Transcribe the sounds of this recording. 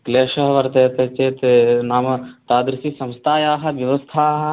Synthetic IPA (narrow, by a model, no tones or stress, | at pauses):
kleːʃɐɦɐʋɐɾt̪eːt̪et͡ʃeːt̪enaːmɐt̪aːd̪ɾsisɐ̃mst̪ʰaːjaːɦɐʋjɐʋɐst̪ʰaːɦɐ